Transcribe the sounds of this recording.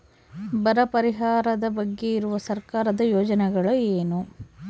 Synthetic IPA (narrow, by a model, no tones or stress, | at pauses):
bɐɾɐpɐɾiɦaːɾɐd̪ɐbɐɡːe̞iɾuʋɐsɐɾkaːɾɐd̪ɐjoːd͡ʒɐnɛɡɐɭueːnu